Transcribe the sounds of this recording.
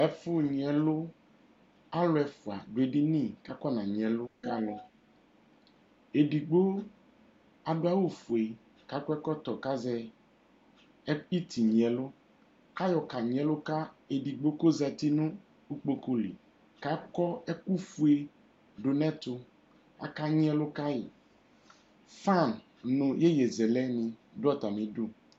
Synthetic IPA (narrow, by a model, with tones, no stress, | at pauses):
ɛ˨fʊ˦ɲ˨ɛ˨lʊ˦ | a˦lʊ˦ɛ˨fʊ˨a˨ɖʊ˨e˨dɪ˦nĩ˦ka˦kɔ˦nã˨ɲ˨ɛ̃˨lʊ˦ka˦lɔ˦ | e˨di˨ɡ͡bo˦ | a˨dʊ˦a˦wo˦fu˨e˨ | ka˨˦kɛ˦kɔ˦t̪ɔ˨ka˦zɛ˦ | ɛ˦k͡pi˦t̪i˨ɲĩ˨ɛ˨lʊ˦ | ka˦jɔ˨ka˨ɲ˨ɛ̃˨lʊ˦ka˦e˨di˨ɡ͡bo˦ko˦zɛ˨t̪i˦nʊ̃˦ | u˦k͡po˨ko˦lḭ˨ | ka˦kɔ˦ɛ˦ku˦fu˨e˨ | ɖʊ˨nɛ̃˦t̪ʊ˨ | a˨ka˦ɲ˦ɛ˦lʊ˦ka˦jɪ˨ | fa˦˨n | nʊ̃˨je˦jɛ˨zɛ˨lɛ˦nĩ˨dʊ˦a˦t̪a˨mẽ˨du˦